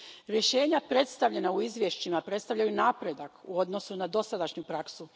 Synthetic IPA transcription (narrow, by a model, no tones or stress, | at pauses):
ɾje̞ʃe̞ːɲapɾe̞t̪st̪aʋʎe̞nauizʋjeʃt͡ɕimapɾet̪st̪aʋʎajunaːpɾe̞d̪akuo̞d̪no̞sunad̪o̞sad̪aʃɲupɾaksu